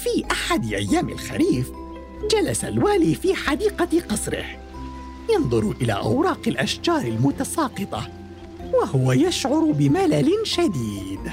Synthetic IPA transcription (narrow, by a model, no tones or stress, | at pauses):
fiːʔaħad̪ɪʔajːaːmɪ̰lxaɾiːf | d͡ʒalasalwaːliːfiːħad̪iːqɑqɑsˤɾɪ̰h | jɑnðˤʊɾʔɪla̰ːʔa̰wɾˤɑːqɪlʔaʃd͡ʒɑːɾˤɪlmʊt̪asɑːqɨt̪ˤɑ | wahʊwajaʃʕʊɾbɪmalalɪnʃad̪iːd̪